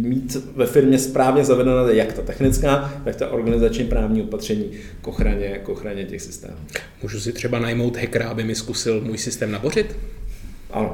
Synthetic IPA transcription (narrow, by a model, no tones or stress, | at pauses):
miːt̪vɛfɪɾmɲɛspɾaːvɲɛzavɛdɛnaɛjakt̪at̪ɛxnɪt͡skaːt̪akt̪aʔo̞ɾɡanɪzat͡ʃɲɛpɾaːvɲiːo̞pat̪r̝̥ɛɲiː | kʔo̞xɾaɲɛkʔo̞xɾaɲɛcɛ̰xsɪ̥st̪ɛ̰ːmu | muːʒusɪt̪r̝̥ɛbanajmo̞wt̪ɦɛkɾaabɪmɪskusɪlmuːjsɪst̪ɛːmnabor̝ɪt̪ | ʔa̰no̞